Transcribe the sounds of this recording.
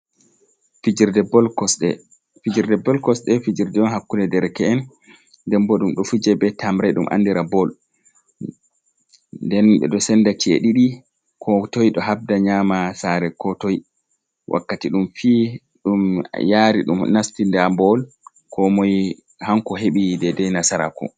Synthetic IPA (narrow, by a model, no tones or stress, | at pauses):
fid͡ʒiɾdɛbɔlkɔsɗɛ | fid͡ʒiɾdɛbɔlkɔsɗɛfid͡ʒiɾdɛɔnɦakːunɛdɛɾkɛɛn | dɛmbɔɗumɗɔfud͡ʒɛbɛtʰambɾajɗumʔa̰nːdiɾabɔl | ndɛnɓɛ̰ɗɔsɛndat͡ʃḛɗiɗi | kʰɔtojɗɔɦab̚daɲamasaɾɛkɔtɔj | wʔa̰kːatiɗumfi | ɗumjaɾiɗṵmnastindambɔl | kʰɔmɔj | haŋkɔɦeɓidɛdɛjnasaɾa̰kɔ̰